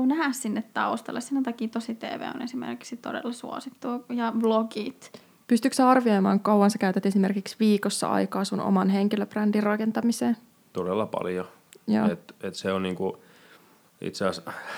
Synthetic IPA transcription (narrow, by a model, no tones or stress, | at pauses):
unæhæssinːet̪t̪ɑ̰ost̪ɑ̰lːˑesinæt̪ɑkiːt̪osit̪ḛːʋḛːo̰nesimḛrkiksit̪odḛlːɑsṵo̰sit̪ːuːjɑʋloɡit̪ | pyst̪yksæɑrʋio̞jmɑːŋkɑwːɑnsɑkæyt̪æt̪esime̞rkiksʋiːkosːɑ̰ɑ̰jkɑːsuno̰mɑnɦeŋkiløbrændirrɑkent̪ɑmiseːn | t̪odelːɑpɑ̰ljo | jo̰ːet̪et̪seonniːŋku | ḭt̪seɑˑs